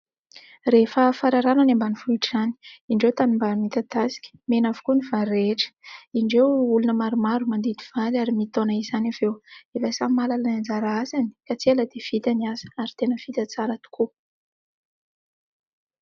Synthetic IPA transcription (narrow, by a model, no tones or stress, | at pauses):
refəfaɾaɾananambanifuiʈ͡ʂzani̥iɳɖ͡ʐewt̪animbamit̪at̪asi̥kʲə̥menavu̥kunivaɾeʈ͡ʂə̥iɳɖ͡ʐewulunəmaɾumaɾumand̪ed̪iv̥alaɾimit̪onaizanavewevəsamalalnand͡zaɾaazani̥kat͡seləd̪ev̥it̪aniazə̥aɾit̪enəfit̪ʲat͡saɾat̪u̥ku